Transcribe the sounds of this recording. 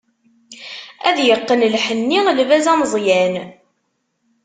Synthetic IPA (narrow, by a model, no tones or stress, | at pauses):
æðjəqːənlħənːiʁlvæzæmzˤjæn